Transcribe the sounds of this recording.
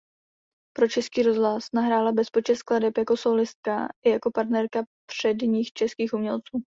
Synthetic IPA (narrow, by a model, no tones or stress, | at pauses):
pɾo̞t͡ʃɛskiːɾo̞zɦlasnaɦɾaːlabɛspot͡ʃɛskladɛpjako̞so̞wlɪst̪̚ka̰ʔɪjako̞paɾt̪nɛɾkapr̝̥ɛdɲiːxt͡ʃɛskiːxʔumɲɛlt͡suː